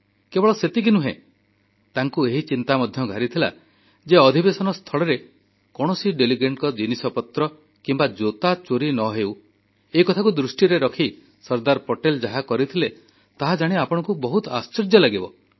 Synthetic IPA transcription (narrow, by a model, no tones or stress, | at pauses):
kebɔɭɔset̪ik̬inuɦḛ̃ | t̪aŋkueɦit͡ʃint̪amɔd̪ʱjɔɡʱaɾit̪ʰila̰ | d͡ʒeɔd̪ʱibesɔnɔst̪ʰɔɭɔɾe | kɔɽ̃ɔsiɖeliɡeɳʈkɔd͡ʒinisɔpɔt̪ɾɔ | kimbad͡ʒot̪at͡ʃoɾinɔɦew | eikɔt̪ʰakud̪ɾusʈiɾeɾɔkʰi | sɔɾd̪aɾpoʈeld͡ʒaɦakɔɾit̪ʰile | t̪aɦad͡ʒaɽ̃iapɔɽ̃ɔ̃ŋkubɔɦut̪ɔast͡ʃiɾd͡ʒjɔlaɡibɔ̰